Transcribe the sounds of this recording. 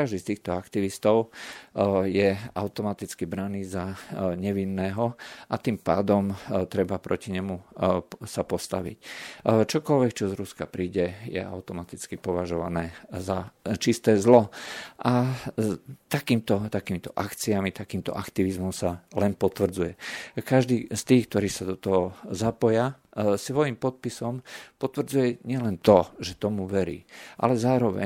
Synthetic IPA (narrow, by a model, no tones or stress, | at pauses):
kaʒd̪iːst̪iːxt̪ɔakt̪iʋist̪ɔʊ | jɛaʊt̪ɔmat̪it͡skibɾaniːzaɲɛʋinːɛːɦɔat̪impa̰ːd̪ɔmt̪ɾɛbapɾʔɔciɲɛmu | sapɔst̪aʋḭct͡ʃɔkɔlʋɛkt͡ʃɔzɾuskapɾiːɟɛjɛ̰ʔa̰ʊt̪ɔmat̪it͡skipɔʋaʒɔʋanɛːzat͡ʃist̪ɛːzlɔʔa | t̪akiːmt̪ɔt̪akiːmit̪ɔʔakt͡siamit̪akiːmt̪ɔ̰ʔakt̪iʋizmɔmsalɛnpɔt̪ʋr̩d͡zujɛkaʒd̪iːst̪iːxk̚t̪ɔɾiːsad̪ɔt̪ɔɦɔzapɔja | sʋɔjimpɔt̪̚pisɔmpɔt̪ʋr̩d͡zujɛɲɪɛlɛnt̪ɔʒɛt̪ɔmuʋɛɾḭːʔa̰lɛzaːɾɔʋɛ̰